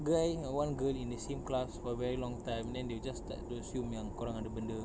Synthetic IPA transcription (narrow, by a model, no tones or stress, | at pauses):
ɡajwãnɡəlĩndəsẽmklasfɔvɛɹilɔ̃ŋtãjmdɛ̃ndewd͡ʒast̪ɛ̰ʔtuəsjumjãŋkuɾãŋadabəndə